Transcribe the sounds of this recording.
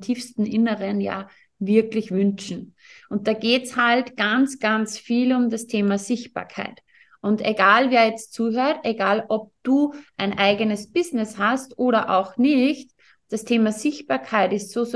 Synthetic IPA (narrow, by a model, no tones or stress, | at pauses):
tʰiːfstn̩ʔɪnəʁənja̰ː | vɪɐklɪçvʏnt͡ʃn̩ | ʔʊnt̚d̥aːɡeːtshaltɡ̥ant͡sɡ̥ant͡sfiːlʊmdastʰeːmaɐzɪçt̚b̥a̰ːɐkʰa̰ɪt | ʔʊnteɡaːlveːɐjɛt͡stt͡suːɦøːɐteɡaːlʔɔp̚d̥uːʔæɪnʔaɪɡənəsb̥ɪznɪshastʔoːɾɐʔa̰ʊxnɪçt | d̥astʰeːmazɪçt̚b̥aːɐkʰaɪtɪstsoː